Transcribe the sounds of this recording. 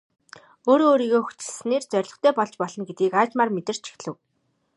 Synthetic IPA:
oːɾoːɾiːɣoːxɵu̥t͡ɕɪ̆ɮsneːrt͡sœrʲɮɞ̆χt̪ʰœːpɔɮt͡ɕpɔɮɞ̆nɡet̪̚ɡiːkaːt͡ɕmaːrmet̪ɘ̆r̥t͡ɕʰi̥xɮɘ̆w

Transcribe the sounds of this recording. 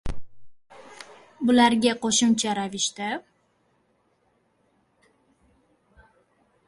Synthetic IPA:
bʊlaɾɡʲaqʰoʃʊmt͡ʃʰaɾavɪʃt̪a

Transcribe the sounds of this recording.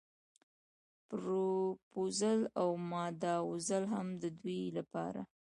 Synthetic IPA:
pɾopozəlawmɑd̪ɑwzəlɦamd̪əd̪wilapɑ̰ɾa̰

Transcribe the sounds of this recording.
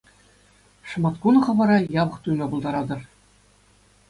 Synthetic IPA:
ʂɤ̆mɑt̪kunɤ̆χɤ̆ʋɑɾɑjɑβɤ̆χt̪ujmʲɑbɤ̆lˠd̪ɑɾɑd̪ɤ̆r

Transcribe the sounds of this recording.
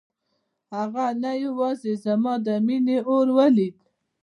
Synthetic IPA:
haɣanajawɑzezamɑd̪əmineoɾwəlid̪

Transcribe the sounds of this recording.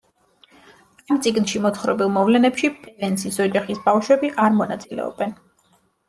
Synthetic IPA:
amt̪sʼiɡnʃimɔt̪χɾɔ̰bilˠmɔvlɛnɛpʃipʰɛvɛnsʰisɔd͡ʒaχisbafʃwɛbiʔaɾmɔna̰t̪sʼilɛ̰ɔ̰bɛn

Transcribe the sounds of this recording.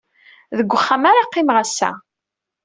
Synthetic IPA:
ðəɡʷːəχːamaɾaqːɪmʁæsːæ̰

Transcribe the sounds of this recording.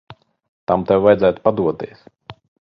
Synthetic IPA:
t̪amt̪ɛwːajd̪zæjt̪pad̪uɔt̪iɛs

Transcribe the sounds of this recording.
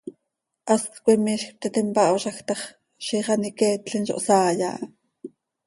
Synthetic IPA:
ʔɑst̪kʷimiʃxp̚t̪it̪impɑʔwʃɑxt̪ɑχ | ʃiχɑnikɛːt̪ɬinʃo̰ʔsɑːjɑ̰ːʔ

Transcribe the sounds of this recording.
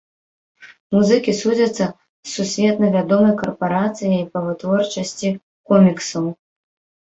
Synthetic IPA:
muzɨkʲisud͡zʲɐt̪sːɐ | sːusʲvʲɛt̪nɐvʲad̪ɔmɐjkɐrpaɾat̪sɨjɐjipɐvɨt̪vɔrt͡ʂɐsʲt͡sʲi | kɔmʲiksɐw

